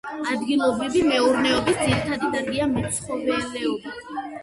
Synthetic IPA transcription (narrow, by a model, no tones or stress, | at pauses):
ad̪ɡilˠɔbɾivimɛuɾnɛɔbisd̪ziɾit̪ʰad̪id̪aɾɡiamɛsχɔvɛlɛɔbi